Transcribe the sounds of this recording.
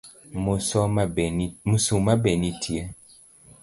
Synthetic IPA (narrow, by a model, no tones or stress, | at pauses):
mosɔmusumabɛnitʰie